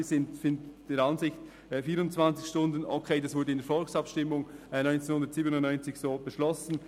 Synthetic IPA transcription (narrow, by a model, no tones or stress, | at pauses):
zɪntfɪntd̥eːɾɑnzɪçt | ɛfiːɾʊnt͡sv̥ɑnt͡sɪçʃtʊndən̩okʰeɪdɑsv̥ʊɾdəɪndeɛfɔlksɑpʃtɪmʊŋnɔʏnt͡senhʊndətsiːbənʊntnɔʏnt͡sɪçsoːb̥əʃlɔsn̩